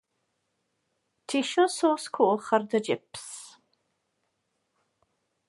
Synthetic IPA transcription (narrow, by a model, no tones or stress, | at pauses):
tʰiʃɔsoːskʰuːχɐrd̪əd͡ʒɪps